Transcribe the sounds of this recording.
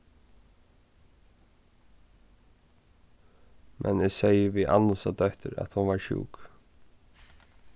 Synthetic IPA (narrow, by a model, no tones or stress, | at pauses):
mʔɛ̰nɛsejəviʔanːʊsad̪œht̪ʏɾæ̰t̪hʊnʋaɹʃṵːk